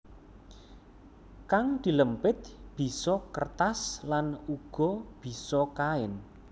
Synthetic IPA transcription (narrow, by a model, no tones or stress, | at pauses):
kaŋd̪̥i̤ləmpɪt̪̚b̥i̤sɔkərt̪aslanuɡ̥ɔ̤b̥i̤sɔkaɪn